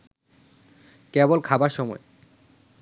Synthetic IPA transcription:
kebolkʰabaɾʃɔmɔ̰e

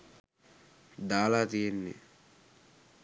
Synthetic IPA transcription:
d̪aːlaːt̪ijenːḛ

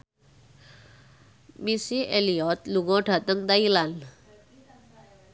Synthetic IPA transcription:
misiʔelijɔt̪luɡɔ̃ʈʰat̪əŋkd̪ailal

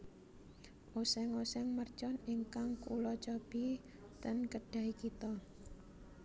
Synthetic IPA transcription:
ʔosɛŋosɛŋmərt͡ʃɔniŋkaŋkulɔt͡ʃɔb̥i | t̪ənkəɖ̥ä̤ikit̪ɔ

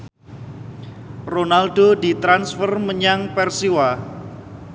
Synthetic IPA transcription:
ronaldodit̪ɾansfərməɲaŋpɛrsiwa

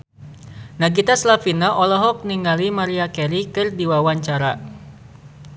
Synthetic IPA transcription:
naɡit̪aslafinaʔɔlɔɦɔk̚niŋalimaɾiakɛɾikɨrdiwawaɲt͡ʃaɾa

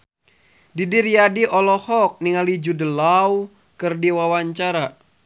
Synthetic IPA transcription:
didirjadiʔɔlɔhɔk̚niŋalid͡ʒudəlaw | kɨrdiwawaɲt͡ʃaɾa

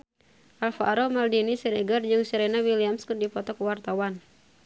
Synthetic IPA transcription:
ʔalfaʔaɾɔmaldinisɛnɛɡard͡ʒɨŋsɛɾɛnawiliamskɨrdipɔt̪ɔkəwart̪awan

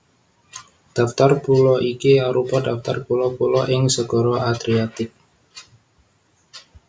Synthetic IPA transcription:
d̥aft̪arpulɔʔikiaɾupɔdaft̪a̰rpulɔpulɔʔɪŋsəɡɔɾɔʔad̪ɾiat̪ɪk̚

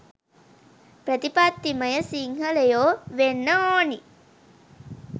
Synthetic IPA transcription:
prət̪ipat̪ːiməjəsiŋɦələjoːʋenːəoːni

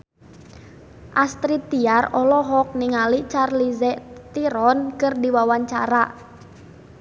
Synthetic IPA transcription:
ʔast̪ɾit̪iarɔlɔɦɔk̚niŋalit͡ʃarlizɛt̪iɾɔnkɨrdiwawaɲt͡ʃaɾa

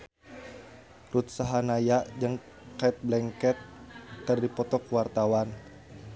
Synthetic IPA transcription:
rut̪̚saɦanajaʔd͡ʒəŋ | kait̪̚blɛŋkɛt̪̚ːərdipɔt̪ɔkwart̪awan

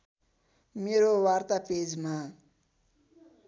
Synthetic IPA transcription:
meɾowart̪aped͡zma

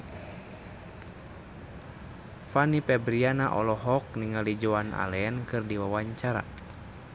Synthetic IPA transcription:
fanipɛbɾianaʔɔ̰lɔɦɔk̚niŋalid͡ʒɔanʔa̰lɛɛnkɨrdiwawaɲt͡ʃaɾa̰

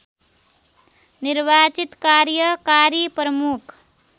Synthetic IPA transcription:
niɾʋat͡ʃit̪kaɾjəkaɾipɾəmukʰ

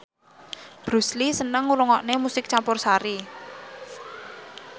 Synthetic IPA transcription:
b̥ɾṳslisənəŋuɾɔŋɔʔnemusɪk̚t͡ʃampʊrsaɾi

